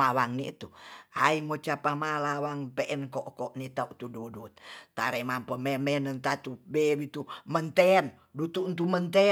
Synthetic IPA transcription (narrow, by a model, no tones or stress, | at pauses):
awaŋnit̪uaimot͡ʃapamalawaŋpɛʔɛnkɔʔkɔʔnit̪aut̪ududut̪̚t̪a̰ɾɛmampəmɛmɛnənt̪at̪ubeβit̪umənt̪ɛn | dut̪unt̪̬umənt̪ɛ